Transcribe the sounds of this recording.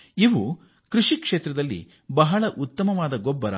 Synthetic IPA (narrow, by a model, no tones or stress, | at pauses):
iʋu | kɾuʂikʂeːt̪ɾɐd̪ɐlːḭ | bɐɦɐɭɐʔut̪ːɐmɐʋaːd̪ɐɡɔbːɐɾɐ̰